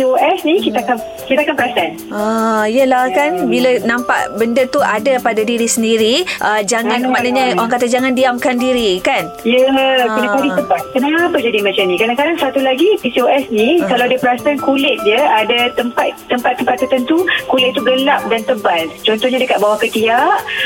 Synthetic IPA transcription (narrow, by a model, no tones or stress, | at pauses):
ioɛsnĩkit̪aakan | kit̪akanpəɾasan | aiəlahkanbilanãmpa̰ʔbəndət̪uʔadapadadiɾisəndiɾiʔəd͡ʒaŋãnmaʔnaɲaoaŋkat̪ad͡ʒaŋãndiamkandiɾikan | jəkənãadiəmpat̪̚kənaŋapəd͡ʒadimat͡ʃamnĩkɾadãŋkadaŋsat̪ulaɡipisioɛsnikalawadəpəɾasankulɪt̪̚dəadat̪əmpat̪t̪ːəmpat̪ːəmpat̪ːərt̪ənt̪ukulɪt̪̚t̪uɡəlap̚dant̪əbant͡ʃɔnt̪ɔhɲadəkat̪̚bawahkət̪iaʔ